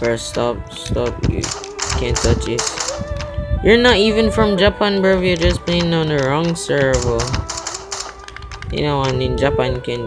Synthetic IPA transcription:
fə˞stʌpstʌfjɨ̰ | kʰæ̃ntʰʌt͡ʃɪt | jə˞nəɾivɨ̃nfɹʌ̃md͡ʒapʰæ̃nbə˞vjə˞d͡ʒʌsb̥iɪ̃nɔ̃nəɹɔ̃ŋsɜ˞vlˠ | jɨ̰noʊãnɪ̃nd͡ʒapæ̃njɨkʰæ̃n

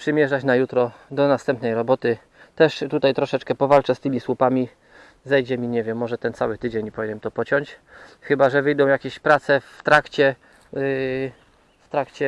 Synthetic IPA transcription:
pʂɘmʲjɛʐat͡ɕnajut̪ɾɔd̪ɔnast̪ɛmpnɛjɾɔbɔt̪ɘ | t̪ɛʂt̪ut̪ajt̪ɾɔʂɛt͡ʂkɛpɔvalt͡ʂɛst̪ɘmʲiswupamʲi | zɛjd͡ʑɛmʲiɲɛvʲjɛmːɔʐɛt̪ɛnt̪sawɘt̪ɘd͡ʑeɲipɔvinɛmt̪ɔpɔt͡ɕɔɲt͡ɕxɘbaʐɛvɘjd̪ɔ̃w̃jakʲeɕpɾat̪sɛft̪ɾakt͡ɕɛ | ft̪ɾakt͡ɕɛ

